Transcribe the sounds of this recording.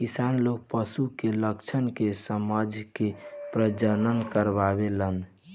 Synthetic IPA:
kisanlok̚pəsukeləkt͡ʃʰənkesəmad͡ʒkepɾəd͡ʒənənkəɾbabelən

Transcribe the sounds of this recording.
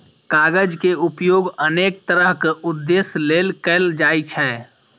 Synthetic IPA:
kaɡəd͡ʒkeupjoɡənek̚t̪əɾəɦkeud̪ːeslelkɛld͡ʒajt͡ʃʰɛ

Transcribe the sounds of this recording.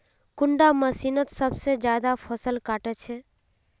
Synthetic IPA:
kʊɳɖaməsiːnət̪səbsed͡ʒjaːd̪apʰəsəlkaːʈet͡ʃʰe

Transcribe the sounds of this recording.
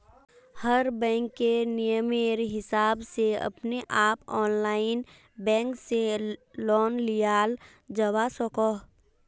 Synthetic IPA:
həɾbɛ̃ːŋkːenɪjəmeːɾɦɪsaːbseɐ̰pneʔaːpɔːnlaːɪn | bɛ̃ːŋkselɔːnlijaːl | d͡ʒəwasɔkoː

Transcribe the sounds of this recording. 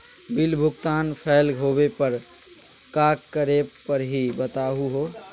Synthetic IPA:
bɪlbʱʊɡt̪aːnpʰɛːlɦobepəɾ | kaːkkːəɾepəɾɦibət̪aːɦuɦoː

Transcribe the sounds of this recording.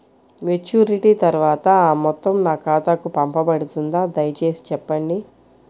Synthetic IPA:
met͡ʃuːɾiʈit̪ɐɾuʋaːt̪ɐaːmɔt̪ːɐmnaːkaːt̪akupɐmpɐpɐɽut̪und̪aːd̪ɐjɐt͡ʃe̞ːsi̥t͡ʃɛpːɐɳɖi

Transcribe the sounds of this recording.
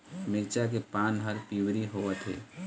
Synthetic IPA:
mɪɾt͡ʃakepaːnɦəɾpiwɾiɦoːət̪ʰɦḛː

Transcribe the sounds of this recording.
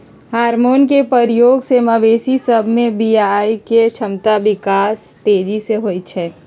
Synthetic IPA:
haːɾmoːnkepəɾjoːɡseːmaʋeːsisəbʱmẽbijaiket͡ʃʰəmt̪abɪkaːst̪eːd͡ʒiseɦoːj̪̚t͡ʃʰɛː

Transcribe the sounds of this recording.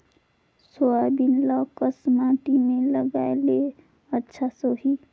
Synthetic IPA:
soabinlɔkəsmãʈ̪imẽləɡaele | ətːʃʰasoɦi

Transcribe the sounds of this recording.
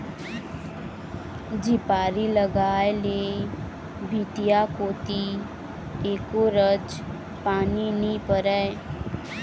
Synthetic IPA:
d͡ʒɪpaːɾiləɡaːjeleː | bʱit̪ijakoːt̪i | eːkoːɾəd͡ʒ | paːniniːpəɾɛː

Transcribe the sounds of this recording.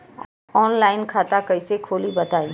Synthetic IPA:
ɔːnlaːɪnkʰaːt̪akɐisekʰoːlibɐt̪aːĩː

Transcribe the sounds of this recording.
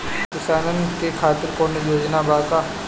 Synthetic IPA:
kɪsaːnənkekʰaːt̪ɪɾkoːnjoːd͡ʒnabaːka

